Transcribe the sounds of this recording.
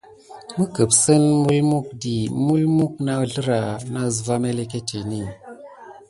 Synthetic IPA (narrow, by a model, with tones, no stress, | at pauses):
mɨ˦kə˨psə˦nmu˦lmu˦k̚di˨mu˦lmu˦k̚na˦ɮɨ˦ɾa˨na˦˨z̬va˦me˦le˦ke˦tʰe˨ni˦˨